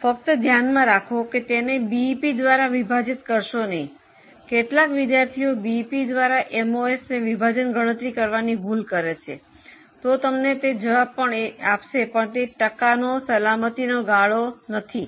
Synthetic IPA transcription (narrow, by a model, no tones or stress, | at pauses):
fək̚t̪əd̪ʱjanmãɾakʰoket̪enebipid̪ʋaɾaʋibʱad͡ʒɪt̪kəɾʃonəɦĩ | keʈlakʋɪd̪jaɾt̪ʰiobipid̪ʋaɾaʔemoesneʋibʱad͡ʒənɡəɽ̃ət̪ɾikəɾʋanibʱulkəɾet͡ʃʰḛ | t̪ot̪əmnet̪ed͡ʒəʋab̚pəɳeapʃepəɳt̪eʈəkanosəlamət̪inoɡaɭonət̪ʰi